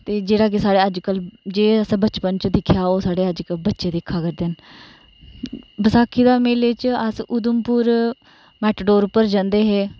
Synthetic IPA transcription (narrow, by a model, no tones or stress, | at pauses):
t̪eːd͡ʒeːɽaːk̬ɪsaːɽeːəd͡ʒkəld͡ʒeːəsãːbət͡ʃpənt͡ʃd̪ɪkʰjaːoːsaːɽeːəd͡ʒkəbətːʃeːd̪eːkʰːaːkəɾd̪eːn | bəsaːkʰːiːd̪aːmeːlet͡ʃəsʊd̪ʊmpʊɾ | mɛːʈɖoːɾʊpːəɾd͡ʒãːnd̪eːɦeː